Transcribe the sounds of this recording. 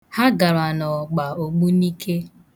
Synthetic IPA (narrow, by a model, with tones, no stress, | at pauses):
ha˦ɡa˨ɾa˨nɔ˨ɡ͡ba˨o˨ɡ͡bu˦ni˦kʰe˦